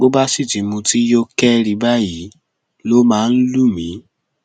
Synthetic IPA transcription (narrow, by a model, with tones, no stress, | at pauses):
o˦ba˦si˦˨ti˨mũ˧ti˦jo˦kɛ˦ɾi˧ba˦ji˨˦ | lo˦mãː˦˧n̩˦lu˦˨mĩ˨˦